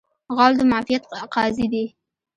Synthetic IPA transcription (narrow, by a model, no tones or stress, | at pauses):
ɣɑld̪əmaʕfɪjat̪qɑzid̪i